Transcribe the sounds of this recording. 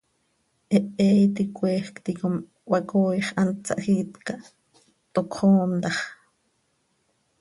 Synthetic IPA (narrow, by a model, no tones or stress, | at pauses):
ʔeʔɛːjt̪ikʷeːxkt̪ikom | wakoːjχʔant͡sːa̰ʔxiːt̪ka | t̪okχoːnt̪ɑχ